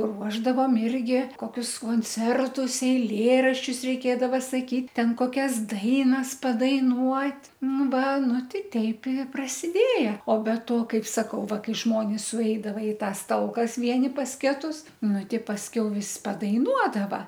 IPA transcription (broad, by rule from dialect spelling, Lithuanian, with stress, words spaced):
ˈruɔʒdɐʋoːm ˈɪrʲɡʲɪ ˈkoːˈkʲʊs koːnʲˈt͡sʲɛrtʊs ɛɪˈlʲeːrɐʃʲt͡ʃʲʊs rʲɛɪˈkʲeːdɐʋɐ sɐˈkʲiːtʲ ˈtʲɛn koːˈkʲɛs ˈdɐɪnɐs pɐdɐɪˈnuɔtʲ ˈnʊ ˈʋɐ ˈnʊ ˈtʲɛɪ ˈtʲɛɪp ɪ prɐsʲɪˈdʲeːjɛ oː bʲɛ ˈtoː ˈkɐɪp sɐˈkɐʊ ˈʋɐ ˈkɐɪ ˈʒmoːnʲɪs sʊˈɛɪdɐʋɐ ɪ ˈtɑːs ˈtɐlˠkɐs ˈʋʲiɛnʲɪ ˈpɐs ˈkʲæːtʊs ˈnʊ ˈtʲɛɪ pɐsʲˈkʲɛʊ ˈʋʲɪs pɐdɐɪˈnuɔdɐʋɐ